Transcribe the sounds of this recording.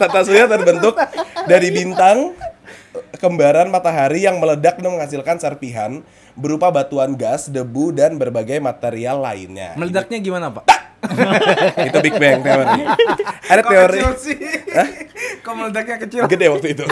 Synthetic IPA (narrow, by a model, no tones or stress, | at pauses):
t̪at̪asuiat̪aɾbənt̪ʊk̚daɾibint̪aŋ | kəmbaɾanmat̪aɦaɾijaŋmələdak̚nəməŋhasilkansərpiɦa̰n | bəɾupabat̪uanɡasdəbudanbərbaɡajmat̪eɾialːa̰ɪ̰nɲa̰mələdak̚ɲaɡimanaːpa | it̪ubik̚bɛŋt̪eoɾiadaeoɾisəhkamələdak̚ɲakət͡ʃilɡədewak̚t̪uit̪u